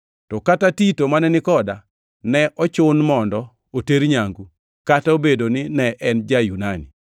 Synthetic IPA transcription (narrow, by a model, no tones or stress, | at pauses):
tɔkatatitomanɛnɪkɔda | nɛʔɔt͡ʃʊnmɔndɔ | oteɾɲaŋɡu | kataobedonɪnɛʔɛnd͡ʒajunani